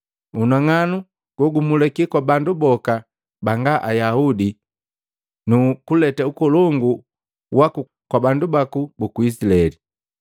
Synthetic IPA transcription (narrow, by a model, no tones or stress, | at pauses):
unaŋanu | ɡ̥wɔɡumulɛkikwabandubɔka | baŋɡaʔajaudi | nukulɛtaukɔlɔŋɡu | waku | kwabandubakubukuis̬ilaɛli